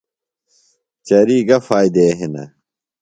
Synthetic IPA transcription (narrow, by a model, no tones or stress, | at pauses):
t͡ɕɐɾiːɡɐfaːjd̪eɦinɐ̰